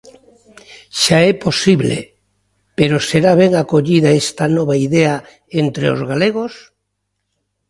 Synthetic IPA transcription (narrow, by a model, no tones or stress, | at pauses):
ʃaɛposiβlḛ | peɾoseɾaβ̞ɛŋakoʎiðaest̪anɔβaiðea | ent̪ɾḛo̰zɣaleɣ̞os